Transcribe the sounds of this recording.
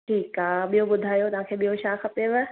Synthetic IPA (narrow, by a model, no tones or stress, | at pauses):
ʈʰiːkaːɓijoɓʊd̪ʱaːjot̪ɐʋ̤ãːkʰeːɓijoʃaːxɐpeʋe